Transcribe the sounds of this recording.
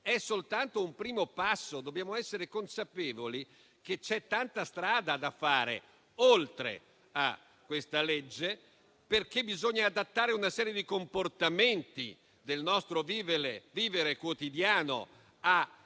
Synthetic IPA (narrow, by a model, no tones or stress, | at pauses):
ɛsolt̪ant̪oumpɾiːmopasːod̪objaːmoɛsːeɾekonsapeːvoli | k̟et͡ʃɛt̪ːant̪ast̪ɾaːd̪ad̪afaːɾḛ | olt̪ɾḛ | a̰ | kːwest̪aled͡ʒːe | perkebizoɲːaːd̪at̪ːaːɾeunasɛːɾjed̪ikomport̪ament̪ḭ | d̪elnɔst̪ɾoviːveɾeviːveɾekwot̪id̪jaːno̰ | a